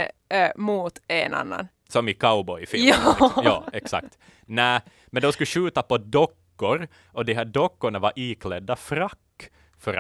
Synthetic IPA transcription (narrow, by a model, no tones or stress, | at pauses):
muːt̪ɛːnɑ̰nːɑ̰n | sɔmɪkʰaʊbɔʏfɪjɑːɛksɑ̰kt̪ | næː | mɛnd̪oskʉʃʉːt̪ɑpɔd̪ɔkːʊɾ | ʔɔd̪ɪɦæːɖɔkːʊɳəʋɑɾʔiːkʰlɛd̪ːɑfɾɑkː | fɔɾ